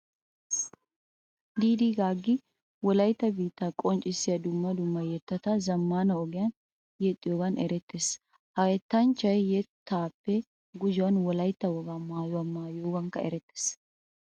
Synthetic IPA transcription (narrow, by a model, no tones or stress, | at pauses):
d̪iːd̪iːɡaːɡːɪ | wɔlɐjt̪ːɐbiːt̪ːɐkʼɔnt͡ʃʼɪsːɪjɐd̪ʊmːɐd̪ʊmːɐjɛt̪ːɐt̪ɐzɐmːaːnɐɔɡɪjɐn | jɛt̪ʼːɪjɔɡɐnɛɾɛt̪ʰːeːs | hɐjɛt̪ːɐnt͡ʃːɐjjɛt̪ʰːaːpːɛ | ɡʊd͡ʒɪwɐnwɔlɐjt̪ːɐwɔɡamaːjʊɐmːaːjoːɡɐŋkɐɛ̰ɾɛt̪ːe̥s